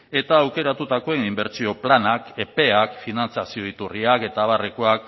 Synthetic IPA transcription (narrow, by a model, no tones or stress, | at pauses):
e̞t̪aːwke̞ɾat̪ut̪ako̞e̞nimbe̞ɾt͡sio̞planake̞pe̞akfinant͡sasioit̪uriake̞t̪aβarekoak̚